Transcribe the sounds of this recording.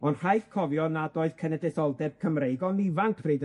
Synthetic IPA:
ɔnr̥ajθkʰɔvjɔnadoɨð̥kʰɛnɛdɛθɔlˠdɛb̥̚kʰəmrejɡɔnɪvaŋkʰb̥riːd

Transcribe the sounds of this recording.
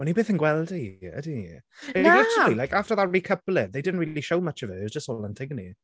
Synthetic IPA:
wɛnibeːθə̃nɡwɛlˠdiə̰dienaat͡ʃəlˠilajkaftəðəɹikʰəplˠɪtðejdɪdⁿn̩tɹiːliʃoʊmət͡ʃɔvəəzd͡ʒəsthoːlˠãntʰɪɡnḭ

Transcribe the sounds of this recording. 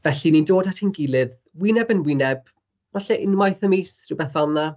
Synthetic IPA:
vɛɬinindoːd̥atʰinɡɪlˠɪð | winɛbənwinɛb̥ | vaɬɛʔɪnmajθəmisriwbɛθalˠnːa

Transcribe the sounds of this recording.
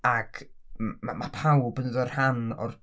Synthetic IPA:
aɡmmamapʰawbənəðɔrhanɔ̰r

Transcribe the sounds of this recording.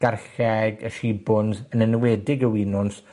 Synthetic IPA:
ɡ̥arɬɛɡəʃiːbʊndənənwɛdɪɡəwiːnʊns

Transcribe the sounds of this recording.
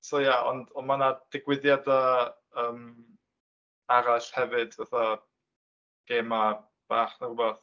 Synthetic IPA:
sojaɔ̰ndɔnmanad̥ɪɡwɪðjada | əːm | aɾaɬhɛvɨd̥vaθa | ɡ̥eːma | b̥aːχnərubaθ

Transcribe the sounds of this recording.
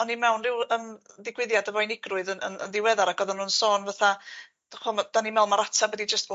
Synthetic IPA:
ɔnːimɛwnrɪwəmðɪɡwɪðjadəvɔjnɪɡrʊɨðənə̰nə̰nðɪwɛðaɾaɡ̥ɔðɔnuːnsoːnvaθḁ | χɔmad̥animɛwnmaɾatʰabwɛdid͡ʒəstː

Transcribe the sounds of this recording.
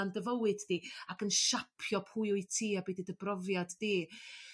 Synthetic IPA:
andəvəwɨdːiakənʃapʰjɔpʰuɨʊɨtʰiːabiːdidəbrɔvjadːi

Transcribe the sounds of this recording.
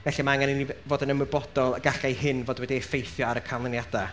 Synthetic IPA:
vɛɬimaaŋaninivoːdənəmɪbɔdɔlˠəɡaɬajhɪnvoːdwɛdifejθjɔaɾəkʰalˠɪnjada

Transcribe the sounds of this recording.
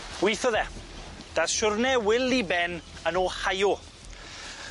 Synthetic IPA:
wiθɔðɛd̥aʃʊrnɛwɪlibɛnənoːhajɔ

